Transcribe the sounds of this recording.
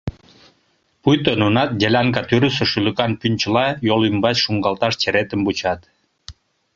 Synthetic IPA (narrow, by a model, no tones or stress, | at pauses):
pujt̪ønunɑt̪̚dʲelʲɑŋkɑt̪yɾysə̆ʃylə̆kɑnpynʲt͡ɕəlɑjolymbɑt͡ɕʃuŋɡɑlt̪ɑʃt͡ɕeɾet̪əmbut͡ɕɑt̪